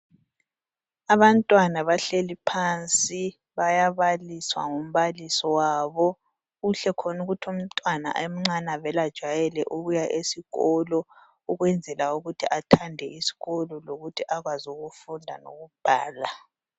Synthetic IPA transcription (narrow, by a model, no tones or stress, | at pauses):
aβantʼwanaβaɬelipʰaːnt͡sʼi | βajaβaliswa̰ŋum̩βalisɔwaːβɔ | ɣuɬɛkʰɔnuɣutʰum̩tʼwana̰ʔem̩ŋ͡ǀanaβɛlad̥ʒ̥ʱajɛlɛʔuβujaʔesiɣɔlɔ | uɣwɛnd͡zʱɛlauɣutʰiʔatʰandʱɛisi̥ɣɔlɔloɣutʰiʔaɣwazuɣufundʱa̰no̰ɣub̥ʱaːla